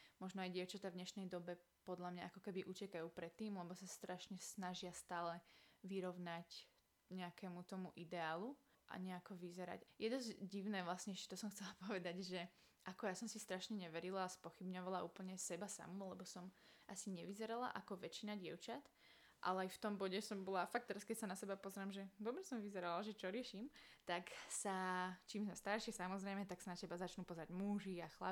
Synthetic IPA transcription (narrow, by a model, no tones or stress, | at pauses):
mɔʒnɔajɟɪɛʊt͡ʃat̪avdɲɛʃnɛjd̪ɔbɛ | pɔd̪lamɲaʔakɔkɛbiʔucɛkajuːpɾɛt̪ːiːmlɛbɔsast̪ɾaʃɲɛsnaʒɪast̪aːlɛʋiɾɔʊnac | ɲɛakɛːmut̪ɔmuʔid̪ɛaːlu | ʔa̰ɲɛakɔʋizɛɾa̰cjɛd̪ɔzɟiʊnɛːʋlasɲɛɛʃcɛ̥t̪ɔsɔmxtt͡sɛlapɔʋɛd̪aɟʒɛ | ʔakɔjasɔmsist̪ɾaʃɲɛɲɛʋɛɾilaːspɔxibɲɔʋalaʔuːpl̩ɲɛsɛbasa̰mulɛbɔsɔmʔasiɲɛʋizɛɾala̰ʔakɔʋɛt͡ʃinaɟɪɛ̰ʊt͡ʃat̪ | ʔa̰lɛajft̪ɔmbɔɟɛsɔmbɔlafak̚t̪ɛɾaskɛcsanasɛbapɔzɾaːmʒɛd̪ɔbɾɛsɔmʋizɛɾalaʒɛt͡ʃɔɾɪɛʃimt̪aksat͡ʃiːmsast̪aɾʃɪɛsamɔzɾɛmɛt̪aksanat͡ɕɛbazat͡ʃnupɔzɾaɟmuʒiaxla̰